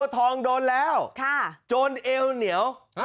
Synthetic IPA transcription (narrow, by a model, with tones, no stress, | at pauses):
t̪ʰɔː˧ŋdoː˧nlɛː˦˥˩wkʰa˥˩t͡ɕoː˧nʔeː˧wni˩˦əw